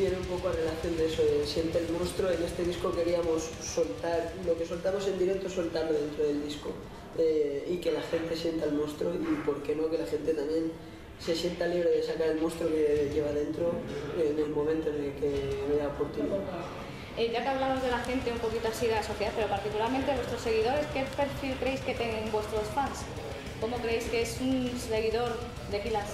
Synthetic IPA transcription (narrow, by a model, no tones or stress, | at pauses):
t̪jeneumpo̞koare̞laθjo̞nd̪eesoesje̞nt̪eːlmonst̪ɾoe̞ne̞st̪e̞ð̞iskoke̞ɾiamo̞sːo̞lt̪aɾlo̞ke̞so̞lt̪amo̞se̞nd̪iɾe̞k̚t̪oeso̞lt̪aɾloðe̞nt̪ɾoð̞e̞ld̪isko | eike̞laxe̞nt̪e̞sje̞nt̪aelmonst̪ɾoipo̞ɾke̞no̞ke̞laxe̞nt̪e̞t̪amje̞n | se̞sje̞nt̪aliβɾoðe̞sakaɾe̞lmonst̪ɾoke̞ʎe̞β̞aðe̞nt̪ɾoenelmõ̞mẽnt̪oenelkemeðaopoɾt̪unið | eʝakeaβ̞lamozðe̞laxe̞nt̪eumpo̞kit̪oasiðelasoθjeape̞ɾo̞paɾt̪ikulaɾmẽnt̪eβwest̪ɾoseɣ̞ið̞o̞ɾe̞skefeɾfilkɾe̞jsket̪eŋeŋbwe̞st̪ɾosfaŋs | ko̞mokɾeejskeesunseɣ̞iðo̞ɾ | ðefilas